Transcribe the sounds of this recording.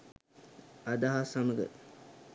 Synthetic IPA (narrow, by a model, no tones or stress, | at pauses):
ad̪aɦasaməɡə̰